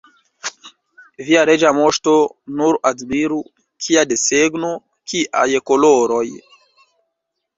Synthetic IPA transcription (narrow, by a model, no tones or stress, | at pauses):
viaɾed͡ʒamoʃtonuɾadmiɾu | kʰiadeseɡno | kia̰jekoloɾoj